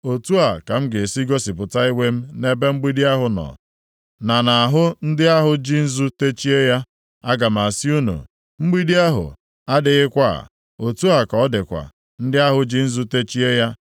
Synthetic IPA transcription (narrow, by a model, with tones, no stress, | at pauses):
o˨tu˦a˨ka˨m̩˦ɡe˨si˦ɡo˦si˨pʊ˨ta˦i˦we˦m̩˦ne˦be˦ŋ͡m̩˦ɡ͡bi˦di˦a˦ɦʊ˨nɔ̰˨ | na˨na˨a˨ɦʊ˦n̩˦dɪ˦a˦ɦʊ˨d͡ʒi˦n̩˦zu˦te˦t͡ʃi˦e˦ja˦ | a˦ɡa˨m̩˨a˨si˦u˦nṵ˨ | ŋ͡m̩˦ɡ͡bi˦di˦a˦ɦʊ̰˨ | a˦dɪ˨ɣɪ˦kʷa̰˦˨ | o˨tu˦a˨ka˨ɔ˦dɪ˨kʷa̰˨ | n̩˦dɪ˦a˦ɦʊ˨d͡ʒi˦n̩˦zu˦te˦t͡ʃi˦e˦ja˦